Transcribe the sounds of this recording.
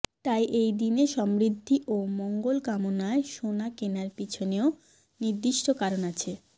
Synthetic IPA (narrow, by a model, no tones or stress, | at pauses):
t̪ajʔejd̪ineʃɔmɾid̪ʱːiʔomɔŋɡolkamonaeʃonakenaɾpit͡ɕʰoneo | niɾd̪iʃʈokaɾonat͡ɕʰe